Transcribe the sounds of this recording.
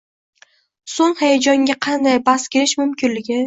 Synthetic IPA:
soŋhajad͡ʒɒŋɡʲaqʰɑnd̪ajbaskʲʰeɾɪʃmʊmkʲɪnlɪɡʲɪ

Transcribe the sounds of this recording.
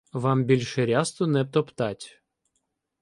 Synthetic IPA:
ʋɑmbʲilʲʃɛɾʲast̪ʊnɛp̚t̪ɔpt̪ɑtʲ

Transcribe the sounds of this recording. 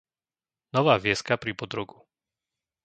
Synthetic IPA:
nɔʋaːʋɪɛskapɾipɔd̪ɾɔɡu

